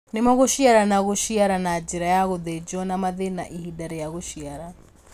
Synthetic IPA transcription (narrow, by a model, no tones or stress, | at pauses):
nemaɣoʃiaɾanaɣoʃiaɾanad͡ʒiɾajaɣoðed͡ʒɔnamaðena̰ʔihidaɾɛjaɣoʃiaɾa